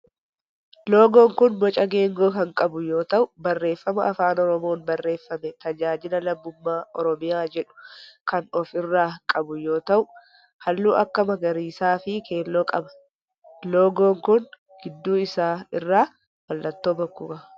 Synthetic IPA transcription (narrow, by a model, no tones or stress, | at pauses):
lo̞ːɡo̞ːŋkʊnwɔt͡ʃʼɐɡe̞ːŋɡo̞ːkɐŋkʼɐbʊjo̞ːt̪ɐʔʊbɐrːe̞ːfːɐmɐʔɐfaːnɔɾɔmo̞ːnbɐrːe̞ːfːɐmɛt̪ɐd͡ʒaːd͡ʒɪlɐlɐbːʊmːaːʔɔ̰ɾɔmɪjaːd͡ʒɛᶑʊ̥kɐnɔfɪrːaːkʼɐbʊjo̞ːt̪ɐʔʊ | hɐlːuːʔɐkːɐmɐɡɐɾiːsaːfɪkʰe̞ːlːoːkʼɐbɐ̥ | lo̞ːɡo̞ːŋkʊn | ɡ̥ɪd̪ːuːɪsaːɪrːaː | wɐlːɐt̪ːo̞ːbɐkːʊkɐ